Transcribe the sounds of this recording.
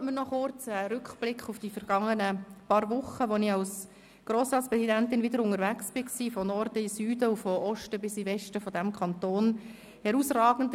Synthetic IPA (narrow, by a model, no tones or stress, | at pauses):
mənɔχʊrt͡səɾʏkχb̥lɪkχʊfd̥ifəɾɡ̥ɑŋːənəpɑːɾʋʊχəʋonɪɑls | ɡ̥ɾoːsɾɑːtsprɛsidæntɪnvɪdəɾʊŋəɾvæksb̥ɪksiːfɔnɔɾd̥əisyːdəufɔʔɔʃtəbɪsivɛʃtəfɔdæmkʰɑntoːn | hɛɾuːsrɑːɡ̥ən̩d